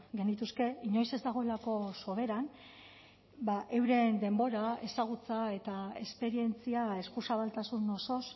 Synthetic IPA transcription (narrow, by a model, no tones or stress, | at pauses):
ɡe̞nit̪uske̞iɲo̞jse̞zd̪aɣ̞o̞e̞lako̞so̞βe̞ɾan | baʔe̞wɾe̞nd̪e̞mbo̞ɾae̞saɣ̞ut͡sae̞t̪ae̞spe̞ɾie̞nt͡siae̞skusaβalt̪asunːoso̞s